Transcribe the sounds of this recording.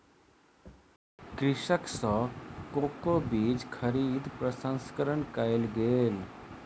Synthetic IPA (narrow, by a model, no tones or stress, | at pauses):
kɾɪʃəksɔːkoːkobiːd͡ʒkʰəɾiːd̪pɾəsə̃nskəɾəɳkaelɡeːl